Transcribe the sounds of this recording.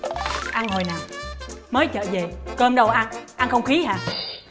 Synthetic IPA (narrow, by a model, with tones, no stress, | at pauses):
ʔa˧nɦo˨˩jnaː˨˩məː˨˦jt͡ɕə̰ː˧˨ze˨˩kəː˧mɗə˧wʔa˧nʔa˧nxə˧wŋ͡mxi˨˦ɦa̰ː˧˩